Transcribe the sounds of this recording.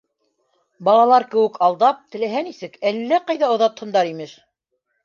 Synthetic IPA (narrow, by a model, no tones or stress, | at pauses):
bɑlˠɑlˠɑɾkɘ̆wɘkʰɑlˠd̪ɑp̚t̪ɘ̆læɦænisɘkælːæqɑjðɑŏðɑt̪hɤ̆nd̪ɑɾimɘʃ